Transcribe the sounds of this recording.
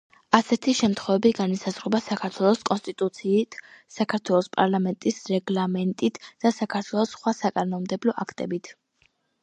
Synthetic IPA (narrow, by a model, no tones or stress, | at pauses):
asɛt̪ʰiʃɛmt̪ʰχwɛvɛbiɡanisazʁɔbasakʰaɾt̪ʰwɛlˠɔskʼɔnst̪ʼit̪ʼut̪sʰiːt̪ʰsakʰaɾt̪ʰwɛlˠɔspʼaɾlˠamɛnt̪ʼisɾɛɡlˠamɛnt̪ʼit̪ʰd̪̥asakʰaɾt̪ʰwɛlˠɔsχwasakʼanɔmd̪ɛblɔʔakʰt̪ʼɛbit̪ʰ